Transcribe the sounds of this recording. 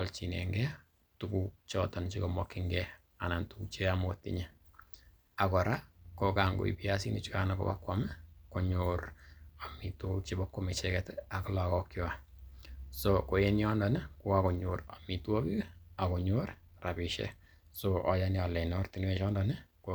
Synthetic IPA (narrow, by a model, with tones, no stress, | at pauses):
ɔlt͡ʃi˨nḛ˨ŋɡɛ˦ | tukut͡ʃɔtɔ˨nt͡ʃi˦ko˨mɔkːiŋɡɛ˦ | a˨na˨ntukut͡ʃe˦amo˦tḭɲe | a˨kɔ˨ɾa˦kokaŋɡo̰˨ḭ˨pi˦a˦si˦ni˨t͡ʃi˦ka˦nako̰˨ba̰˦kwɔmɛ˦ko˨ɲoɾa˨mi˨to˦t͡ʃi˦bakwome˨t͡ʃɛkɛta˨kɔ˦lakɔ˦kjɔ˦a˨ | soko˨je˦njɔ˦ndɔnɪ˦ko˦ako˨ɲoɾa̰˨mi˨two˦ki˦a˨ko˨ɲoɾ | ra˨piʃɛ̰˦ | soʔɔ˨janiɔ˨le˨nɔ˦rti˨n˦e˦t͡ʃɔ˦ndɔ˨nɪ˦ko